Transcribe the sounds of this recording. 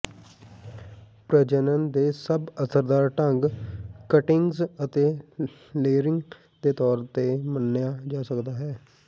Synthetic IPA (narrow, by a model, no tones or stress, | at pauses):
pɾəd͡ʒənənd̪eːsəbəsəɾd̪aːɾʈəŋɡkəʈɪŋɡzət̪eː | leːɾɪŋɡ | d̪eːt̪ɔːɾt̪eːmənːjaːd͡ʒaːsəkd̪aːɦɛː